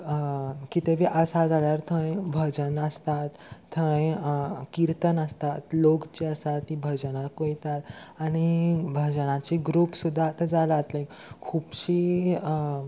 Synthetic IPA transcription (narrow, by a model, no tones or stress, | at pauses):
kit̪eʋiʔəsad͡zaljaɾt̪ʰə̃jbʱəd͡ʑənəst̪at̪ʰːə̃jkiɾt̪ənəst̪at̪lokt͡ɕiəsat̪ibʱəd͡ʑənakojit̪at̪aɽ̃ibʱəd͡ʑənãt͡ɕiɡɾupsud̪ʱːat̪əd͡zalat̪lẽ | kʰuːpɕiː